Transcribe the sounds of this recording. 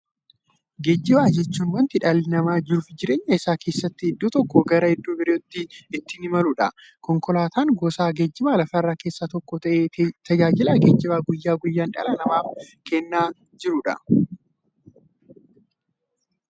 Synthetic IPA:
ɡed͡ʒːɪbaːd͡ʒɛt͡ʃːuːnwɐnt̪ɪᶑalːɪnɐmaːd͡ʒɪɾʊfd͡ʒɪɾeːɲːɐɪsaːke̞ːsːɐt̪ːɪɛd̪ːuːt̪ɔkːɔɡɐɾɐɪd̪ːuːbɪɾɛjɔt̪ːɪɪt̪ːɪnɪmɐlʊᶑɐ̰ | kɔŋkɔlaːt̪aːŋɡɔːsaːɡeːd͡ʒːɪbaːlɐfɐɪrːaːke̞ːsːat̪ɔkːɔt̪ɐʔeːt̪ʰɐd͡ʒaːd͡ʒɪlɐɡeːd͡ʒːɪbaːɡʊjːaːɡʊjːaːnᶑɐ̰lɐnɐmaːfkɛnːaː | d͡ʒɪɾʊᶑɐ̰

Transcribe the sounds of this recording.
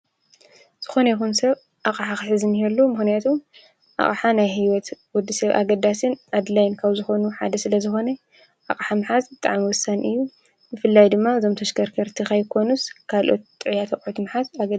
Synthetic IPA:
z̥ɨxo̞nɐjixunsɐβ | ʔaχʼaħaxħɨzɨnhɛlːumɨxnijat̪ʰum | ʔa̰χʼaħanajɦiwɔt̪wɔd̪ːisɐβʔa̰ɡɐd̪asɨnʔad̪lajnkʰaβzɨxo̞nuħa̰d̪ɐsɨlɐzɨxo̞nɐ | ʔa̰χʼħamɨħazbɨt̪ʼaʕmiwɔsanʔɨjːu | bɨfɨlːajd̪ɨmːaɨzo̞mt̪ʰɐʃkʰɐɾkʰɐɾt̪ʰixajkʰo̞nuskʰalʔo̞̰t̪ːʼɨʕjat̪ʰɐkʼʕut̪mɨħazaɡɐ

